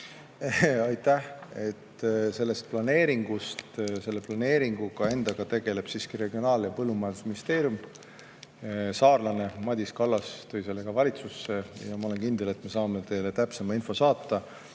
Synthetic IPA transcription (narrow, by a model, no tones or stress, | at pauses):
ɑjt̪ːæhe̞t̪ːse̞lːe̞st̪̚plɑne̞ːɾiŋɡ̥ust̪se̞lːe̞plɑne̞ːɾiŋɡ̥uɡɑe̞nd̪̥ɑɡ̥ɑt̪e̞ɡe̞le̞b̥siskiɾe̞ɡ̥io̞nɑːljɑpɤlːumɑeld̪usminist̪e̞ːɾjum | sɑːrlɑne̞mɑd̪ʲiskɑlːɑst̪ujse̞lːe̞ɡ̥ɑvɑlʲit̪susːe̞jɑmɑo̞le̞nkind̪̥e̞le̞t̪ˑme̞sɑːme̞t̪e̞ːlet̪æpse̞mɑinfo̞sɑːt̪ːɑ